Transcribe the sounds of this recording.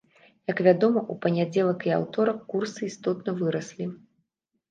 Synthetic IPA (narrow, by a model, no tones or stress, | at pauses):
jɐkvʲad̪ɔmɐʔupɐnʲad͡zʲɛlˠɐkia̰wt̪ɔɾɐkːursɨist̪ɔt̪nɐvɨɾɐslʲi